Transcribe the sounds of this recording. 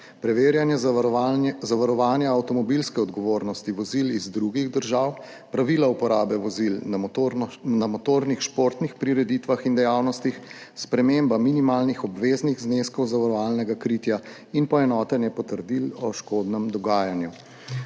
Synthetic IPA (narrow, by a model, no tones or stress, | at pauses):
pɾɛʋeːɾjanjɛ | zaʋaɾɔʋaːnjaːwt̪ɔmɔbilskɛɔd̪ɡɔʋoːɾnɔst̪iʋɔzilizd̪ɾuɡiɣd̪əɾʒaw | pɾaʋilaupɔɾaːbɛʋɔzil | namɔt̪oːɾnixʃpoɾt̪nixpɾiɾɛd̪it̪ʋaxind̪ɛjawnɔst̪ixspɾɛmeːmbaminimaːlnixɔbʋeːzniɣzneskɔwzaʋaɾɔʋaːlnɛɡakɾiːt̪ja | inpɔɛnɔːt̪ɛnjɛpɔt̪əɾd̪ilɔʃkoːd̪nɛmd̪ɔɡaːjanju